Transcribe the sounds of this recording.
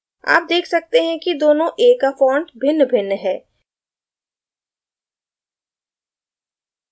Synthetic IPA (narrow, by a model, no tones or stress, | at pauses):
a̰ːp̚d̪eːkʰsɐk̚t̪eɦɛ̃kid̪oːnõʔeːkːafɔ̃ːɳʈbʱɪnːbʱɪnːɦɛː